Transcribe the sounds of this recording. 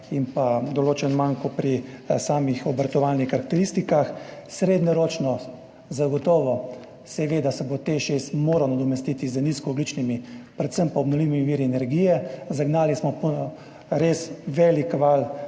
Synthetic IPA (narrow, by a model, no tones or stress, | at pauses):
impad̪ɔloːt͡ʃɛnmaŋkɔpɾisaːmixɔbɾt̪ɔʋalnixkːaɾak̚t̪ɛɾist̪ikaxsɾeːd̪nɔɾoːt͡ʃnɔ | zaɡɔt̪ɔːʋɔ | sɛʋeːd̪asɛbot̪eʃesmoːɾanad̪ɔmɛst̪iːt̪izəniskɔɔɡ̪lit͡ʃnimipɾɛt̪səmpaɔbnɔʋliʋimiʋiːɾiɛnɛɾɡiːjɛzaɡnaːlismɔpɔ | ɾesʋɛlikʋal